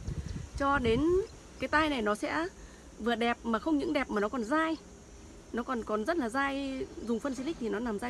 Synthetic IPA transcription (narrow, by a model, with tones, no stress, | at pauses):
t͡ɕɔ˧ɗe˨˦n | kaː˨˦jt̪aː˧jna˨˩jnɔ˨˦sɛ̰˧˥ | vɨ˨˩əɗɛ˨˩p̚maː˨˩xə˧wŋ͡mɲɨ̰˧˥ŋɗɛ˨˩p̚maː˨˩nɔ˨˦kɔ˨˩nzaː˧j | nɔ˨˦kɔ˨˩nkɔ˨˩nzə˦˥t̚laː˨˩zaː˧jzʊ˨˩ŋ͡mfə˧nzi˧li̟˦˥t̪ʰi˨˩nɔ˨˦na˨˩mzaː˧